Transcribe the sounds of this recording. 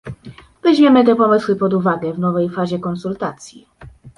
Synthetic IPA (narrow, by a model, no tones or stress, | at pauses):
vɛʑmʲɛmɘt̪̬ɛpɔmɘswɘpɔd̪uvaɡɛvnɔvɛjfaʑɛkɔnsult̪at̪sʲji